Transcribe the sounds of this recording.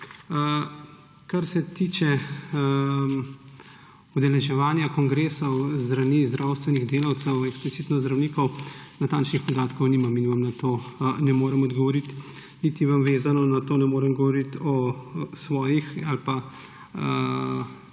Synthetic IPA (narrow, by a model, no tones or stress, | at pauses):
kaɾsɛt̪iːt͡ʃɛ | ud̪ɛlɛʒɛʋaːnjakɔŋɡɾeːsɔwzd̪ɾaniːzd̪ɾawst̪ʋɛniɣd̪eːlawt̪sɛwɛksplit̪siːt̪nɔzd̪ɾɐwniːkɔwnat̪aːnt͡ʃnixpɔd̪aːt̪kɔwniːmaminʋamnat̪oːnɛmoːɾɛmɔd̪ɡɔʋɔɾit̪ | nit̪iʋamʋeːzanɔnat̪oːnɛmoːɾɛmɡɔʋɔɾit̪ɔsʋɔːjixalpa